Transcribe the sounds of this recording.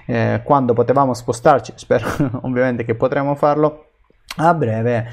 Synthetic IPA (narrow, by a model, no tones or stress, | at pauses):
kwand̪opot̪evaːmospost̪art͡ʃi̥spɛːɾoo̰vːjament̪ek̟epːot̪ɾemːofarlo | abːɾɛːve